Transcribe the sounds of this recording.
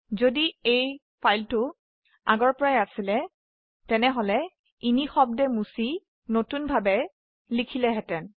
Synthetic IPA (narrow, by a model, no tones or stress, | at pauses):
zodiej | pʰajltʊ | a̰ɡɔɹpɔɹajasilɛ | tɛnɛɦolɛ | inixɔb̚dɛmusi | notunbʱabɛ | likʰilɛɦɛtɛn